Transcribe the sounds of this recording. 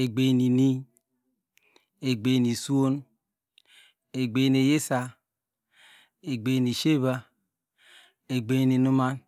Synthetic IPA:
e˨ɡ͡be˨ni˨ni˦ | e˨ɡ͡be˨ni˨su˦o˦n | e˨ɡ͡be˨˦ne˨je˦sa˨ | e˨ɡ͡be˨ni˨ʃe˦βa˦ | e˨ɡ͡be˨˦ni˨nu˦ma˦n

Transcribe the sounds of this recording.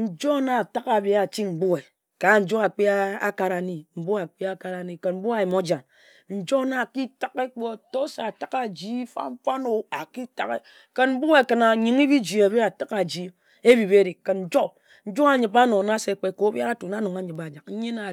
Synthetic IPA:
n̩˨d͡ʒo˦na˦˨ta˦ka˨be˦a˨t͡ʃi˦m̩˨bu˦e˨ | ka˨˦n̩˨d͡ʒo˦a˨k͡pi˦a̰˦ka˨ɾa˨ni˦m̩˨bu˦a˨k͡pi˦a˦ka˨ɾa˨ni˦ke˨m̩˦bu˦a˨ji˨mo˦d͡ʒa˨m | n̩˨d͡ʒo˦na˦˨ki˦ta˦ke˦k͡po˦˨to˦sa˨a˨ta˦ka˨d͡ʒi˦fa̰˦ŋ͡m̩˦fa˦no˨a˨ki˦ta˦˨ke˦ | ke˨nm̩˦bu˦e˨ke˨na˨ɲi˨ŋi˦bi˦d͡ʒi˨a˨bi˦a˨ta˦ka˨d͡ʒi˦ | e˦bi˨be˦ɾi˨ke˨nn̩˨d͡ʒo˦ | n̩˦d͡ʒo˦a˨ɲi˨ba˦no˨na˦se˨˦k͡pe˦ko˨˦bja˦ɾa˦tu˨na˦no˨ŋa˦ɲɨ˨pa˨d͡ʒa˨k̩˦ɲe˦na˨

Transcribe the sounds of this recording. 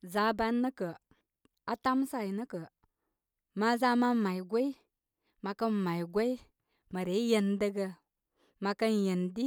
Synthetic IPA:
za˨˦ba˦nːə˦kə˨ | a˨ta˦msa˦˨jnə˦kə˨ | ma˦za˦ma˦ma˨jɡʷe˦i˦ | ma˨kə˦nma˨jɡʷe˦i˦ | mə˨ɾe˨˦je˧ndə˧ɡə˧ | ma˨˧kə˦njə˨ndi˦

